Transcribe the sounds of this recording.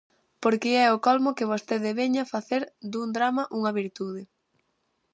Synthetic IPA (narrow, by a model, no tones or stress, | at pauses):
poɾkɪɛʊkɔlmʊkɪβost̪eðɪβeɲɐfaθeɾd̪uŋd̪ɾamɐʔuŋɐβiɾt̪uðɪ